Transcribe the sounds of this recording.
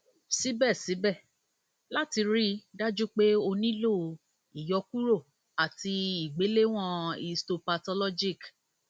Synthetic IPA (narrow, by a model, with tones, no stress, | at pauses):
si˨˦bɛ˦˨si˨˦bɛ˦˨ | la˦ti˧ɾi˦da˦d͡ʒu˦k͡pe˦o˧nĩ˦lo˦˨ | i˨jɔ˧ku˦ɾo˦˨ | a˨ti˧i˨ɡ͡be˨˦le˦w̃ɔ̃˦˨i˧sto˧pa˧tɔ˧lɔ˦d͡ʒi˦˨k